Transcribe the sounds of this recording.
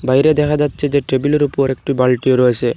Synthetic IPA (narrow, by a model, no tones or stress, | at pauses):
bajɾed̪ɛkʰad͡ʒatːt͡ʃʰed͡ʒeʈebilɔɾupɔɾek̚ʈubalʈijoɾuase